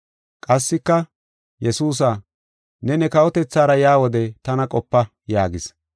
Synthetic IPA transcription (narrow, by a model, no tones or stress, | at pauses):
kʼɐsːɪkːɐ | jɛsuːs̬a | nɛnɛkɐwɔt̪ɛt͡sːaːɾɐjaːwɔd̪ɛt̪ɐnɐkʼɔpːɐ | jaːɡɪs